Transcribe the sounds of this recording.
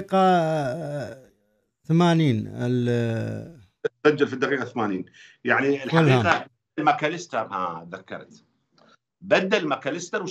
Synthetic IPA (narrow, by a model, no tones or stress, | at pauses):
qa | θamaːniːnɪ̰l | sad͡ʒːalfid̪ːaqiːqaθmaːniːnjaʕniɪlħalhaqa | lmakalɪst̪ɑɾˤha̰ðakːɑ̰ɾˤt̪ | bad̪ːalmakalɪst̪ɑɾw